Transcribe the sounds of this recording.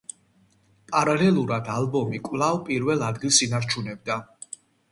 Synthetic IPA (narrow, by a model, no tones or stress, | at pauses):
pʼaɾalɛlˠuɾad̪albɔmikʼvlˠavpʼiɾvɛlˠad̪ɡilˠsinaɾt͡ʃʰunɛbd̪a